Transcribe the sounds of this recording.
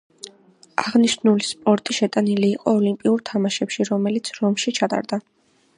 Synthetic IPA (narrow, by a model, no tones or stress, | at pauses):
aʁniʃnulispʼɔɾt̪ʼiʃɛt̪ʼaniliːqʼɔːlimpʼiuɾt̪ʰamaʃɛpʃiɾɔmɛlit̪sʰɾɔmʃit͡ʃʰat̪ʼa̰ɾd̪a